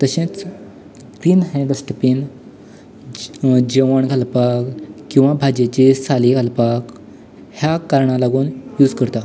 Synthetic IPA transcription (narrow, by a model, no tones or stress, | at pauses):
t̪əɕẽt͡s | piːnɦẽɖəsʈəpin | d͡ʑeʋəɳɡʱalpakkːĩw̃ʋabʱad͡ʑet͡ɕisaliɡʱalpak | hjakaɾɳalaɡuːnjuːd͡zkəɾt̪a